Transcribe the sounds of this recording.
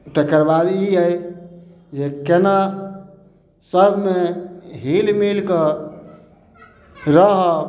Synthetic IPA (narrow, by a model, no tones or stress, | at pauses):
ʈekəɾbad̪iəj | d͡ʒekena | səbʱmeɦilmilke | ɾəɦɔ